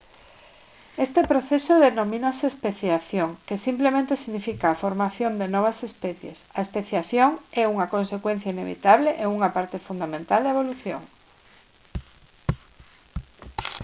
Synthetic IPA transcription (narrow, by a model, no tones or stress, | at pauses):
est̪epɾoθesoðenomĩnaseːspeθjaθjoŋkesimplemẽnt̪esiɣnifikaːfoɾmaθjond̪enɔβ̞asespɛθjḛsaespeθjaθjoŋɛuŋakonsekwẽn̟θjainḛβḭt̪aβleʔeuŋapaɾt̪efund̪amẽnt̪ald̪ɐeβoluθjo̰ŋ